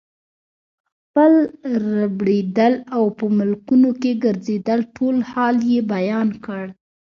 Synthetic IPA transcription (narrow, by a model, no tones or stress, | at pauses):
x | pəlɾabɽed̪əlawpəmʊlkunokeɡəɾzed̪əlʈʰolhɑljebajɑnkəɽ